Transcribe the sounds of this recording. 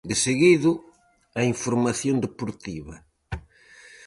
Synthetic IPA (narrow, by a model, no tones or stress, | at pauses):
d̪ɪseɣiðʊ | ɐiɱfoɾmaθjond̪epoɾt̪iβɐ